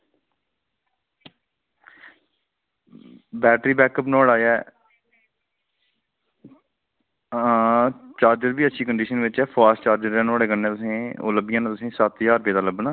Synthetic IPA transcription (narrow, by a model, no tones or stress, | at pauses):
bɛːʈɾiːbɛːkəpnoːɽaːjɛː | t͡ʃaːɾd͡ʒəɾbiːətːʃʰiːkəɳɖiːʃənʋɪt͡ʃɛːpʰaːɾst͡ʃaːɾd͡ʒəɾɛ̃ːnoːɽeːkənnẽːt̪ʊsẽːo̰ːləbɪjãːnãt̪ʊsẽːsaːt̪jaːɾpeːd̪aːləbnaː